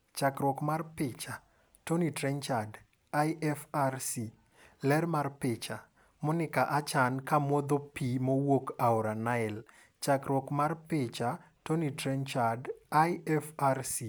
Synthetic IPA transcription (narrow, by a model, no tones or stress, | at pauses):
t͡ʃakɾwɔkmarpɪt͡ʃa | tonitɾɛɲt͡ʃad | ajʔɛfarsi | lɛrmarpɪt͡ʃa | monɪkaʔat͡ʃankamɔd̪opimowokaɔɾanaɪl | t͡ʃakɾwɔkmarpɪt͡ʃa | tonitɾɛɲt͡ʃadajɛfarsi